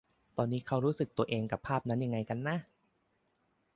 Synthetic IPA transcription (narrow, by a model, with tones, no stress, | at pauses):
t̪ɔː˧nːiː˦˥kʰa˦˥wɾuː˦˥sɯ˨˩k̚t̪u˧ɐʔeː˧ŋka˨˩pʰːaː˥˩p̚na˦˥nja˧ŋːa˧jka˧nːa˦˥˩